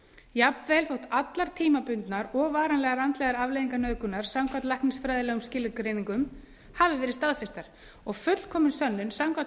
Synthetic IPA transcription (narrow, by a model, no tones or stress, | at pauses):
japnvɛːlfowht̪at̪laɾ̥t̪ʰiːmapʏnt̪naɾɔɣvaːɾanlɛːɣaɾant̪lɛɣaɾavlejðiŋkanœːkʏnaɾ̥samkʰvat̪lajhknɪsfɾɛːðɪlɛːɣʏmscɪːlːɪkɾeːniŋkʏm | havɪvɛːɾɪðst̪aðfɪst̪aɾ̥ | ɔɣfʏt̪l̥kʰɔːmʏnsœnːʏnsamka